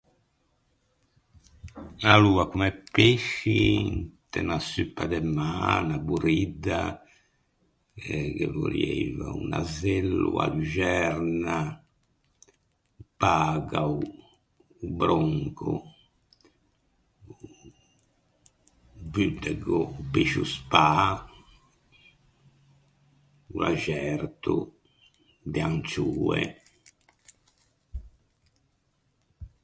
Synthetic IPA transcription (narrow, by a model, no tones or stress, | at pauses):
aluːakumɛpːeʃːit̪ɛnasypːad̪ɛmːanabuɾid̪ːa | ɛkɛvoɾievaunazelːṵa̰d̪ud͡ʒɛɾna | paːɣau | ubɾoŋkʰu | vyd̪ɛɡɔpeʃuspaː | ulaʒɛɾt̪u | d̪ɛant͡ʃuːɛ